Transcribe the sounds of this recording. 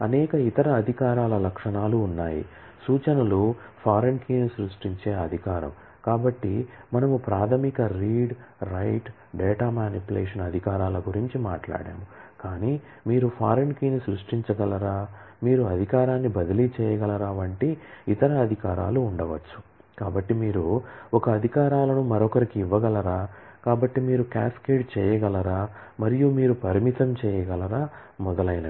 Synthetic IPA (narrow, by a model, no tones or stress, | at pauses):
ɐnɛːkɐit̪ɐɾɐːd̪ʱikaːɾaːlɐlɐkʂɐɳaːluːnːaːjḭ | suːt͡ʃɐnɐlupʰaːɾenkiːnusɾuʂʈiɲt͡ʃeːɐd̪ʱikaːɾɐ̰m | kaːbɐʈːimɐnɐmupɾaːt̪ʰɐmikɐɾiːɖɾɐjʈ | ɖɛːʈaːmaːnipulɛːʂɐnɐd̪ʱikaːɾaːlɐɡuɾiɲt͡ʃimaːʈla̰ːɽḛːmukaːniː | miːɾupʰaːɾenkiːnisɾuʂʈiɲt͡ʃɐɡɐlɐɾaːmiːɾuɐd̪ʱikaːɾaːnːibɐd̪ɐlit͡ʃɛːjɐɡɐlɐɾaːʋɐɳʈiːt̪ɐɾɐːd̪ʱikaːɾa̰ːluːɳɖɐʋɐt͡ʃːu̥ | kaːbɐʈːimiːɾuɔkɐːd̪ʱikaːɾaːlɐnumɐɾɔkɐɾikiːʋːɐɡɐlɐɾaːkaːbɐʈːimiːɾukaːskeːɖ̚t͡ʃɛːjɐɡɐlɐɾaːmɐɾijumiːɾupɐɾimit̪ɐmt͡ʃɛːjɐɡɐlɐɾaː | mɔd̪ɐlɐjnɐ